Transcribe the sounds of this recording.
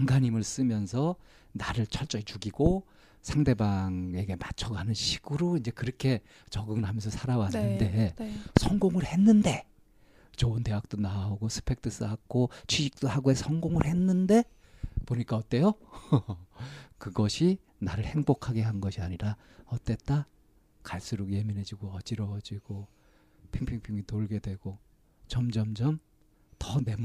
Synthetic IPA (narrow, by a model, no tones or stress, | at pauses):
aŋɡaɲimɯɭs͈ɯmjʌnsʰʌ | naɾɯɭt͡ɕʰʌɭt͡ɕ͈ʌit͡ɕuɡiɡo | sʰaŋde̞baŋe̞ɡe̞mat͡ɕʰʌɡanɯnɕʰi̥ɡɯɾoind͡ʑe̞kɯɾʌkʰe̞ | t͡ɕʌɡɯŋɯɭɦamjʌnsʰʌsʰaɾawannːɯnde̞sʰʌŋɡoŋɯɭhe̞nːɯnde̞ | t͡ɕoɯnte̞ɦak̚t͈onaoɡosʰɯ̥pʰe̞k̚t͈ʰɯs͈ɯɦak̚k͈ot͡ɕʰwiɕʰik̚t͈oɦaɡoesʰʌŋɡoŋɯɭhe̞nːɯnde̞ | poɲik͈aʌt͈ːe̞jo | kɯɡʌɕʰi | naɾɯɭhe̞ŋbokʰaɡe̞ɦannɡʌɕʰiaɲiɾa | ʌt͈ːe̞t̚t͈a | kaɭs͈uɾukje̞minɦe̞d͡ʑiɡoʌd͡ʑiɾʌd͡ʑiɡ̥o | pʰiŋpʰiŋpʰiŋitoɭɡe̞dwe̞ɡ̥o | t͡ɕʌmd͡ʑʌmd͡ʑʌm | tʌne̞m